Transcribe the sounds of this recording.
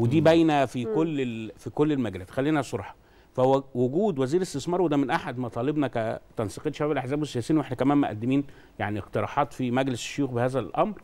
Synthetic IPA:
wed̪iːbæjnæfikolːefikolːelmæɡælæːt̪xælːiːnæsˤoɾˤħɑ̥ | fæwwoɡuːd̪wæziːɾest̪esmɑːɾˤwed̪æmenʔaħad̪mɑt̪ˤɑːlebnɑkæt̪ænsiqeːt̪ʃæbæːbelʔaħzæːbwesːejæsejːnweħnækæmæːmeʔæ̰d̪ːemiːn | jaʕnieqt̪eɾˤɑ̰ːħɑːt̪fimæɡlesʃːojuːxbehæːzælʔɑmɾˤ

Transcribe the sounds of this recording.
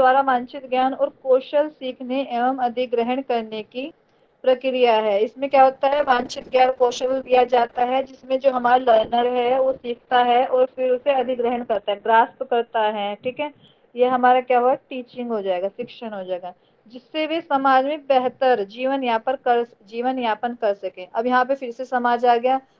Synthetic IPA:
aːɾaʋãːnt͡ʃɪt̪ɡjaːnɔːɾkoːʃəlsiːkʰneʔeːʋəmɐd̪ʱɪɡɾəɦəɽ̃kɐɾneki | pɾɐkɾijaɦɛːɪsmẽkjaːɦoːt̪aɦɛʋãːnt͡ʃɪt̪ɡjaːnkoːʃəld̪ijad͡ʒaːt̪aɦɛd͡ʒɪsmẽd͡ʒoːɦɐmaːɾlɐɾnəɾɦɛʋosiːkʰt̪aɦɛʔɔːɾfɪɾʊseɐd̪ʱɪɡɾəɦəɳkɐɾt̪aɦɛɡɾaːspkɐɾt̪aɦɛʈʰiːkɦɛː | jeɦɐmaːɾakjaːɦoɡaʈiːt͡ʃɪ̃ŋɡɦod͡ʒaːeːɡasɪkʃəɽ̃ɦod͡ʒaːeːɡaː | d͡ʒɪsːeʋesɐmaːd͡ʒmẽbɛɦt̪əɾd͡ʒiːʋənjɐɦãpɐɾkɐɾ | d͡ʒiːʋənjaːpənkɐɾsɐkẽːʔɐbjɐɦãp̬efɪɾsesɐmaːd͡ʒaːɡɐjaː

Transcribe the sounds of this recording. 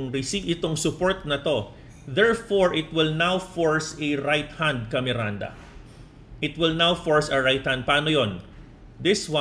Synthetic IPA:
ŋɾɪsivɪt̪o̞ŋsʊpoɹt̪̚nɐt̪o̞ | ðɛɹfoɹʔɪt̪wɪlnawfoɹsɐɾajt̪̚hãnd̪̚kɐmɛɾand̪ɐ̰ | ʔɪt̪wɪlnawfoɹsɐɹajt̪̚hãnd̪̚pɐaːnojon | d̪ɪswa

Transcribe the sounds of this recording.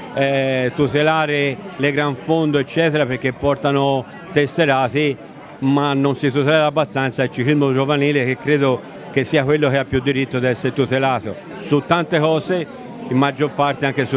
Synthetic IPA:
ɛt̪ut̪elaːɾeleɡɾaɱfond̪oet͡ʃːɛːt̪eɾapeɾk̟ːepːɔrt̪ano | t̪esːeɾaːθi | manːonsit̪ut̪ɛlɛɾabːast̪ant̪sailt͡ʃiklizmod͡ʒovaniːlek̟ekːɾeːd̪o | k̟esːiːakwelːokeapːjud̪ːiɾit̪ːod̪iɛsːeɾet̪ut̪elaːθo̰ | sut̪ːant̪ekɔːse | imːad͡ʒːoɾpart̪eaŋk̟esu

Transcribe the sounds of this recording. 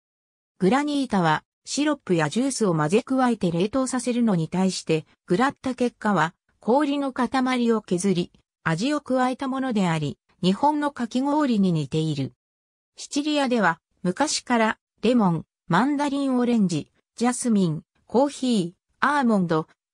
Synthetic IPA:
ɡ̥ɯ̟ɾaɲ̟iːt̪aβa | ɕiɾo̞pːɯjaʑɨːsɨo̞maze̞kɯ̟βaet̪e̞ɾe̞ːt̪o̞ːsase̞ɾɯ̟no̞ɲ̟it̪aiɕi̥t̪e̞ | ɡ̥ɯ̟ɾat̪ːake̞kːaβa | kʰo̞ːɾʲino̞kat̪amaɾʲio̞ke̞zɨɾʲi | aʑio̞kɯ̟βae̞t̪amo̞no̞d̪e̞aɾʲi | ɲ̟ihõ̞nːo̞kakʲiŋo̞ːɾʲiɲ̟inet̪e̞iɾɯ̟ | ɕi̥t͡ɕiɾʲijad̪e̞β̞a | mɯ̟kaɕi̥kaɾa | ɾe̞mõ̞ŋ | mãnd̪aɾʲĩɰ̃o̞ɾẽ̞ɲ̟d͡ʑi | d͡ʑasɨmʲĩŋ | ko̞ːçiː | aːmõ̞nd̪o̞

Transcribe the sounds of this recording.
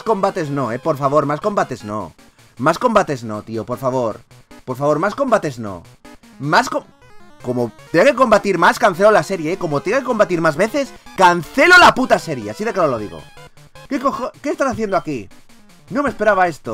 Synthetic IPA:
sko̞mbat̪e̞zno̞epo̞ɾfaβ̞o̞ɾmasko̞mbat̪e̞zno̰ | masko̞mbat̪e̞zno̞t̪iopo̞ɾfaβ̞o̞ɾ | po̞ɾfaβo̞ɾmasko̞mbat̪e̞zno̰ | masko | komot̪ɾiake̞ko̞mbat̪iɾmaskan̟θe̞lolase̞ɾjeeko̞mot̪ɾiakeko̞mbat̪iɾmazβe̞θe̞skanθe̞lolaput̪ase̞ɾjeasiðe̞kaoloð̞iɣo̰ | kekoxoke̞ːst̪asaθjend̪oaki | nomespeɾaβae̞st̪o

